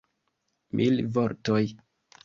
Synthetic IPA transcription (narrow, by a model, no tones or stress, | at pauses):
mʔḭlvoɾtoj